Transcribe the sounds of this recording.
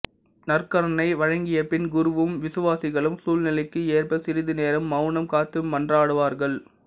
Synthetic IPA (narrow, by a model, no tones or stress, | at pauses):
nɐrkɐɾɐnɐɪʋɐɻɐŋɡɪjɐpɪnɡʊɾʊʋɯmʋɪsɯʋaːsɪɣɐɭɯmsuːlnɪlɐɪkːɯeːrpɐsɪɾɪðɯneːɾɐmːɐʊnɐmkaːt̪ːɯːɐndraːɽɯʋaːɾɣɐɭ